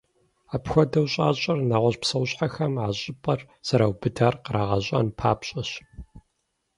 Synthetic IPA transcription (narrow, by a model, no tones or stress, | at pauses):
aːpxʷɔdɐwɕʼaːɕʼɐrnaːʁʷɔɕpsɐwɕʼħaxɐmʕaːɕʼɪpʼɐr | z̥ɐɾawbɨdaːrqəɾaːʁɐɕʼɐ̰npʰa̰ːpɕʼɐɕ